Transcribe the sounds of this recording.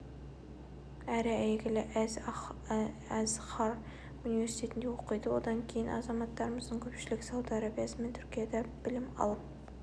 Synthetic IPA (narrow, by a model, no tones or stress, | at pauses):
æɾɪæjɡʲɪlɪʔæz | æzχɑɾ | unive̞ɾsi̥t̪ʰʲe̞t̪ɪnd̪ewoqəjd̪əwo̰d̪ɑŋkʲʰe̞jɪnʔɑ̰zɑmɑt̪ːɑɾəməzd̪əŋkʲʰɵpʃɪlɪksɑwd̪ɑɾɑbijɑsəme̞nt̪ʰʏɾkʲijad̪æb̥ɪlɪmɑ̰lˠəp̚